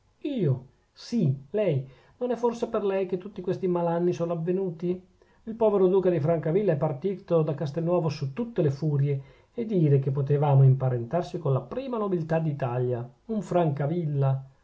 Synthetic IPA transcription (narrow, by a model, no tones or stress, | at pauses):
iːo | silɛj | nonɛfːorseperlɛjk̟et̪ːut̪ːikwest̪imalanːisoːnoavːenuːt̪i | ilpɔːveɾod̪uːkad̪ifɾaŋkavilːaɛpːart̪iːt̪od̪akːast̪enːwɔːvosut̪ːut̪ːelefuːɾjeː | d̪ːiːɾek̟epːot̪evaːmoimpaɾent̪arsikonlapɾiːmanobilt̪ad̪it̪aljauɱfɾaŋkavilːa